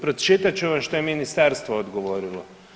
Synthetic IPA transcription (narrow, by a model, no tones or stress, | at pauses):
pɾɔt̪ʃet̪at͡ʃuʋamʃt̪ojɛminist̪aɾst̪ʋɔːd̪ɡoʋoɾilɔ